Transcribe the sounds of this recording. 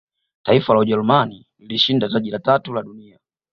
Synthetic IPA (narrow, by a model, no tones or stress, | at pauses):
taifalauʄɛlumani | liliʃindataʄilatatulaɗunia